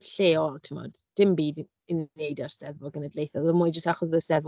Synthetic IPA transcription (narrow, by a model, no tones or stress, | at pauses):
ɬeːɔlˠtʰɪmɔ̰d̥d̥ɪmbiːd | ɪnejdarsɛðvɔɡənədlejθɔlˠvəmujd͡ʒəstaχɔsðəsɛðv